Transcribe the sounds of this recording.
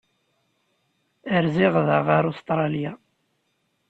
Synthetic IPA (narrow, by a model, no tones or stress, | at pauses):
əɾziʁðəʁəɾost̪ɾˤɑlja